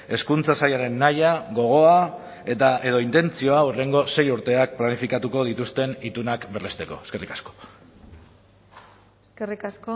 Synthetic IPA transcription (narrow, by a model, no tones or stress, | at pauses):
e̞skunt͡sasajaɾe̞nːajaɣo̞ɣ̞o̞a | e̞t̪aʔe̞ð̞o̞int̪e̞nt͡sio̞aure̞ŋɡo̞se̞juɾt̪e̞ak̚planifikat̪uko̞ð̞it̪ust̪e̞nit̪unakbe̞rlest̪e̞ko̞̰eske̞rikḁsko̞̥ | eskerikasko